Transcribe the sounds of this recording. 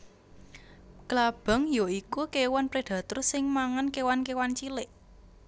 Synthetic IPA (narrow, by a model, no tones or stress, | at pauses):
klab̥a̤ŋjoikukewanpɾed̪̥ä̤t̪ʊrsɪŋmaŋankewankewant͡ʃilɪʔ